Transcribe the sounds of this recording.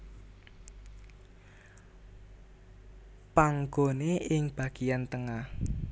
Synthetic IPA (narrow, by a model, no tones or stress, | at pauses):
paŋɡoneɪŋb̥a̤ɡ̥ijant̪əŋah